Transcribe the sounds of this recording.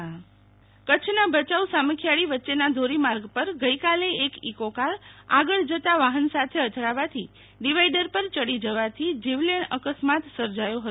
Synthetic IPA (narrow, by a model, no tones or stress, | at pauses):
kət͡ʃʰnabət͡ʃausaməkʰjaɭiʋətːʃenad̪ʱoɾimaɾɡpəɾɡəikaleːkikokaɾaɡəɭd͡ʒət̪aʋaɦənsat̪ʰeət̪ɾaʋat̪ʰi | ɖiʋaiɖəɾpəɾt͡ʃəɽid͡ʒəʋat̪ʰid͡ʒiʋleɳəkəsmat̪səɾd͡ʒajoɦət̪